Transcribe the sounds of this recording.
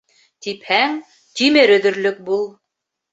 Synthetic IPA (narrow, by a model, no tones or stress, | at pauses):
t̪iphæŋ | t̪imɘɾɵ̆ðɵ̆ɾlɵk̚bulˠ